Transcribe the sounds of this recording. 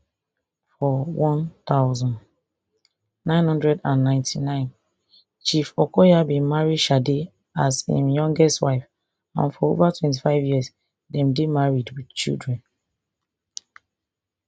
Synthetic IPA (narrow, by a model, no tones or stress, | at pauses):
fɔwɔ̃nt̪aʊzɔ̃n | nãɪ̃nhɔ̃ndɹɛdãnːãɪ̃ntʰinãɪ̃n | t͡ʃifɔkɔjabĩmaɹidʃade | asḭ̃mjɔ̃ŋɡɛstwaɪf | ã̰nfɔo̰vatʰwɛ̃nt̬ifaɪvjiəs | dɛ̃mdemaɹidwid̥t͡ʃḭldɹɛ̃n